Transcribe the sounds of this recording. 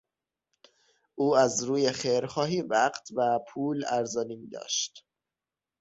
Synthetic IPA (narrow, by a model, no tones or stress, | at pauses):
ʔuːæzɾuːjexeɾxɒːɦiːvæɢt̪ʰvæpʰuːlæɾzɒːniːmiːd̪ɒ̰ːʃt̪